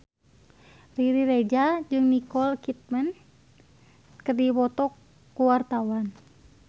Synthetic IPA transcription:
riɾiɾed͡ʒad͡ʒɨŋnikɔlkit̪̚mən | kərdiwɔt̪ɔkː | uwart̪awan

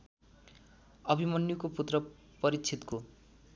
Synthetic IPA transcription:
ʌbʱimʌnjukoput̪rʌ | pʌɾit͡sʰit̪ko

